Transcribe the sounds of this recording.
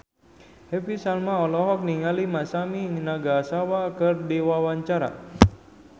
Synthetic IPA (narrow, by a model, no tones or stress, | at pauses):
hɛpisalmaɔlɔɦɔk̚niŋalimasaminaɡasawakɨrdiwawaɲt͡ʃaɾa̰